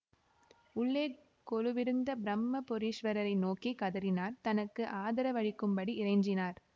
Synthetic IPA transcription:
ʊɭːeː | kɔɻɯʋɪɾɯnd̪ɐbɪɾɐmːɐpɔɾiːʂʋɐɾɐɾɐɪnoːkikɐðɐɾɪnaːɾt̪ɐnɐkːɯʔaːðɐɾɐʋɐɻɪkːɯmbɐɽiɪrɐɪɲd͡ʒɪnaːɾ

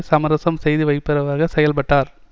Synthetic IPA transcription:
sɐmɐɾɐsɐmsɛjðɯʋɐɪpːɪɾɐʋɐɾɣɐsɛjɐlpɐʈːaːɾ

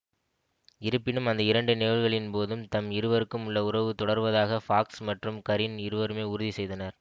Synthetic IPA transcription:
ɪɾɯpːɪnɯmɐnd̪ɐɪɾɐɳɖɯneːlɣɐɭɪnpoːðɯmt̪ɐmɪɾɯʋɐɾɯkːɯmʊɭːɐʊɾɐʋɯt̪ɔɽɐɾʋɐðaːɣɐfaːksmɐʈrɯmkɐɾɪnɪɾɯʋɐɾɯmeːʊɾʊðisɛjðɐnɐɾ

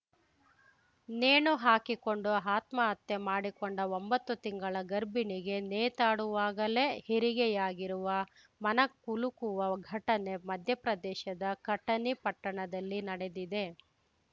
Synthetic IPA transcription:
neːɳuɦaːkikoɳɖuɦaːt̪mɐɐt̪ːemaːɽikoɳɖɐombɐt̪ːut̪iŋɡɐɭɐɡɐɾbiniɡe̞neːt̪aːɽuʋaːɡɐle̞heɾiɡɛjaːɡiɾuʋɐ | mɐnɐkulukuʋɐɡʱɐʈɐne̞mɐd̪ʱjɐpɾɐd̪ɛːʃɐd̪ɐkɐʈːɐnipɐʈːɐɳɐd̪ɐlːinɐɽe̞d̪id̪e̞

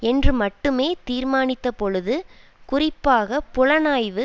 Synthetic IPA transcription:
ɛndrɯmɐʈːɯmeːt̪iːɾmaːnɪt̪ːɐpɔɻɯðɯ | kʊrɪpːaːɣɐpʊɻɐnaːjʋɯ

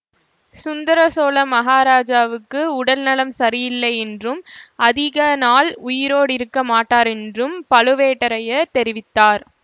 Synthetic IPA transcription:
sʊnd̪ɐɾɐsoːlɐmɐɦaːɾaːd͡ʒaːʋɯkːɯʊɽɐlnɐɭɐmsɐɾɪjɪlːɐɪɛndrɯmɐðɪɣɐnaːlʊjɪɾoːɽɪɾɯkːɐmaːʈːaːɾɛndrɯmpɐlɯʋeːʈːɐɾɐjɐt̪ɛɾɪʋɪt̪ːaːɾ

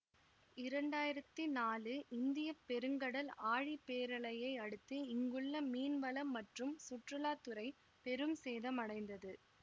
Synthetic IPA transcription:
ɪɾɐɳɖaːjɪɾɐt̪ːinaːlɯʔɪnd̪ɪjɐpːɛɾɯŋɡɐɽɐlaːɻipeːɾɐɭɐjɐɪɐɽɯt̪ːɯɪŋɡɯɭːɐmiːnʋɐlɐmːɐʈrɯmsʊʈrɯlaːt̪ːɯɾɐɪ | pɛɾɯmseːðɐmɐɽɐɪnd̪ɐðɯ

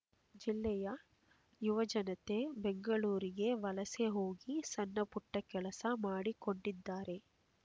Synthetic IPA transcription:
d͡ʒilːɛjɐ | juʋɐd͡ʒɐnɐt̪e̞beŋɡɐɭuːɾiɡe̞ʋɐlɐseɦoːɡisɐnːɐpuʈːɐkɛɭɐsɐmaːɽiko̞ɳɖid̪ːaːɾe̞

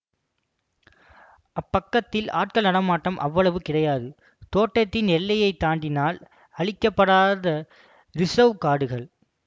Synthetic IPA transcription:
ʔɐpːɐkːɐt̪ːɪla̰ːʈ̚kɐɭnɐɽɐmaːʈːɐmʔɐʋːɐɭɐʋɯkɪɽɐjaːðɯ | t̪oːʈːɐt̪ːɪnɛlːɐjɐɪt̪ːaːɳɖɪnaːl | ɐɭɪkːɐpːɐɽaːðɐ | ɾɪsɐʋkaːɽɯɣɐɭ

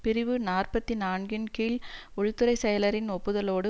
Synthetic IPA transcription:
pɪɾɪʋɯnaːrpɐt̪ːinaːɳɡɪnkiːlɔɻɯt̪ːɯɾɐɪsɛjɐlɐɾɪnɔpːɯðɐloːɽɯ

